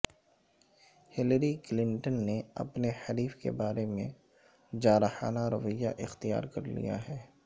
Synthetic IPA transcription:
hɪləɾiklɪ̃ɳʈənːeɐ̰pnehɐɾiːfkḛbaːɾemẽ | d͡ʒaːɾxa̰ːnaɾɐʋəjːa̰ʔɪxt̪ija̰ːɾkɐɾlḭja̰ɦɛː

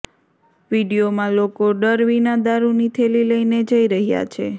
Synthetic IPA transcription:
ʋiɽijomãlokoɖəɾʋinad̪aɾunit̪ʰeliləined͡ʒəiɾəɦja̰t͡ʃʰe

